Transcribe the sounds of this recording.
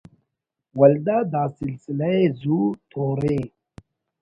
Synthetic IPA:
wald̪ad̪aːsilsilaezut̪ʰoɾe

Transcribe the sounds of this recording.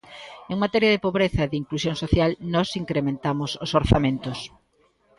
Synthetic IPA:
eŋmat̪ɛɾjaðɪpoβɾeθɐeðiŋklusjoŋsoθjalnɔsiŋkɾemẽnt̪amʊsʊsoɾθamẽnt̪ʊs

